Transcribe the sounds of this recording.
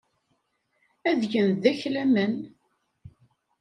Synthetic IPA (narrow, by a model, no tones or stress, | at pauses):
æðʝənðæçlæmən